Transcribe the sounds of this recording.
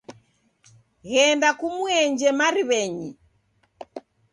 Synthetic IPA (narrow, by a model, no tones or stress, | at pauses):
ɣɛndakumuɛɲd͡ʒɛmaɾiβɛɲi